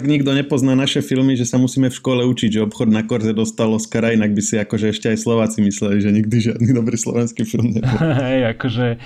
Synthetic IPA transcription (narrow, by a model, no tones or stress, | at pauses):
aɡɲiɡd̪ɔɲɛpɔznaːnaʃɛfilmiʒɛsamusiːmɛfʃkɔlɛut͡ʃiɟʒɛɔpxɔd̪nakɔɾzɛd̪ɔst̪alɔskɾainaɡbisiakɔʒɛɛʃcɛajslɔʋaːt͡simislɛliʒɛɲiɡ̚d̪iʒɪa̰d̪niːd̪ɔbɾiːslɔ̰ʋɛnskiːfilmɲɛbɔɦɛjakɔʒɛ